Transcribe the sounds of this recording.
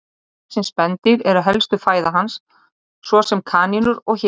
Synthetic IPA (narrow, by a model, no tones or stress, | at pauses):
sɛnspɛnt̪ɪɾɛɾaðɦɛlst̪ʏfaːjðaɦansː | vɔsɛmkʰaːninʏɾɔɣç